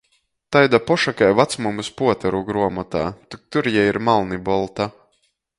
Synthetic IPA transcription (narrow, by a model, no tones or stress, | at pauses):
t̪ajd̪apɔʃakajvat̪smumɨspuɔt̪ɛɾuɡɾuɔmɔt̪a̰ːt̪uk̚t̪uɾjaiɾmalˠnibɔlˠt̪a